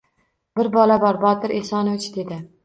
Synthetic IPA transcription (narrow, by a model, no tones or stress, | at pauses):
bɪɾbɒlabɒɾbɒt̪ɪɾʔesɒnot͡ʃʰɪd̪ed̪ɪ